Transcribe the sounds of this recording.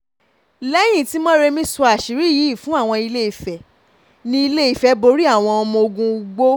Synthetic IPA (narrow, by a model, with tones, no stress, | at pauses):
lɛ˦j̃ĩ˦˨ti˦mɔ̃˦ɾe˧mĩ˦su˧a˨ʃi˨ɾi˨˦˨ji˨˦i˦˨fũ˨˦a˦˨w̃ɔ̃˧i˧le˦i˨fɛ˨ | nĩ˧i˧le˦i˦˨fɛ˨˦bo˧ɾi˦a˦˨w̃ɔ̃˧ɔ˧mũ˧o˧ɡũ˧u˧ɡ͡bo˦